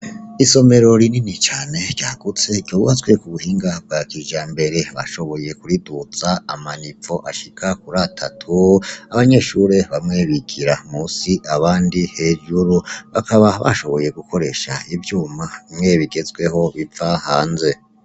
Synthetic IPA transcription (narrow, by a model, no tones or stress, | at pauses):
iso̞me̞ɾo̞ɾininit͡ʃaːne̞ɟjaɡ̥ut͡se̞ɟjoβuhat͡swe̞kuβuhiːŋɡab̚ɡakiːʒaːmbe̞ɾe̞βa̰ʃo̞βo̞je̞kuɾidut͡saːmanip͡fo̞ʔaʃikʰakuɾatʰatʰuaβaɲe̞ʃuːɾe̞βamŋeːβikʰiɾamuːsiʔaβaːndihe̞ːʒuɾuβakʰaβaβa̰ʃo̞βo̞je̞ɡukʰo̞ɾe̞ʃa̰ivjuːmaimŋe̞βiɡe̞zɡwe̞ho̞βifahaːnze̞